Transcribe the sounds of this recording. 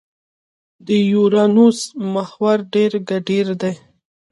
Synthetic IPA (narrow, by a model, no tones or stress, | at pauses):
d̪əjuɾɑnusmahwaɾɖeɾɡaɖiɾd̪e